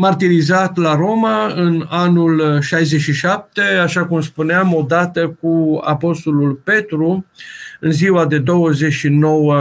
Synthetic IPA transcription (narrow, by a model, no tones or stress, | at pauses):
mart̪iɾizat̪laɾo̞maɨnanulʃajzeʃiʃap̚t̪e̞aʃakumspuneamo̞d̪at̪əkua̰po̞st̪o̞lulpe̞t̪ɾu | ɨnziwad̪e̞d̪o̞wəze̞ʃino̞wə